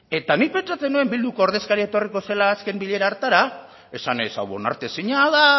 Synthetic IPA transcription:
e̞t̪anipe̞nt͡ʃat͡se̞nue̞mbild̪uko̞ːɾð̞e̞skaɾiaet̪o̞riko̞selaːske̞mbiʎe̞ɾaːɾt̪aɾa | e̞sanesa̰wβo̞̰na̰ɾt̪e̞siɲaða

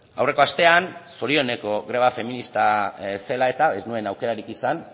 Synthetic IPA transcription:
awre̞ko̞ast̪e̞anso̞ɾio̞ne̞ko̞ɣɾeβ̞afe̞minist̪ase̞lae̞t̪aeznue̞nawke̞ɾaɾikisan

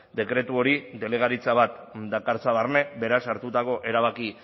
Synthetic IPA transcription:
d̪e̞kɾe̞t̪uo̞ɾid̪e̞le̞ɣ̞aɾit͡saβ̞at̪d̪akaɾt͡saβarne̞be̞ɾasaɾt̪ut̪ako̞ʔe̞ɾaβ̞aki

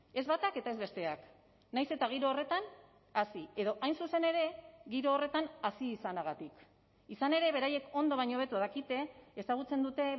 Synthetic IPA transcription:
e̞zβat̪ake̞t̪ae̞zβe̞st̪e̞ak | najse̞t̪aɣ̞iɾo̞ːre̞t̪an | asie̞ðo̞ʔajnsuse̞ne̞ɾe̞ɣiɾo̞ːre̞t̪anasiːsanaɣ̞at̪ik | isane̞ɾe̞βe̞ɾaje̞ko̞nd̪o̞β̞ajɲo̞β̞e̞t̪uaðakit̪e̞ːsaɣut͡se̞nd̪ut̪e̞

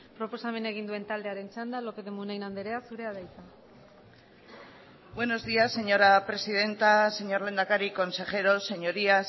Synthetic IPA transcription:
pɾo̞po̞same̞ne̞ɣ̞ind̪ue̞nt̪ald̪e̞aɾe̞nt͡ʃand̪alo̞pe̞ðemunajnand̪eɾe̞asuɾeaðejt͡sa | bwe̞no̞zðiasːe̞ɲo̞ɾapɾe̞sið̞e̞nt̪ase̞ɲo̞ɾle̞nd̪akaɾiko̞nse̞χe̞ɾo̞se̞ɲo̞ɾia

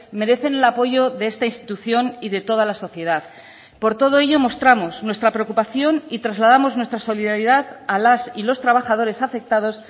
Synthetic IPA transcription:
me̞ɾe̞θe̞ne̞lapo̞ʝo̞ðeest̪ainst̪i̥t̪uθjo̞niðe̞t̪o̞ð̞alaso̞θje̞ðað | po̞ɾt̪o̞ðo̞e̞ʝo̞mo̞st̪ɾamo̞snwest̪ɾapɾe̞o̞kupaθjo̞nit̪ɾazlað̞amo̞znwe̞st̪ɾaso̞liðaɾiðaðalasilo̞st̪ɾaβaxað̞o̞ɾe̞safe̞k̚t̪að̞o̞s

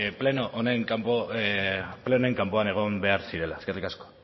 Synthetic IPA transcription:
plenoʔoneŋkampo | pleone̞ŋkampo̞aneɣ̞o̞mbe̞aɾsiɾe̞laskerikasko̥

